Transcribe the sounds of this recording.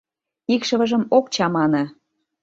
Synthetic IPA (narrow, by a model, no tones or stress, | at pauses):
ikʃə̆βə̆ʒə̆mok̚t͡ɕɑmɑnɤ̆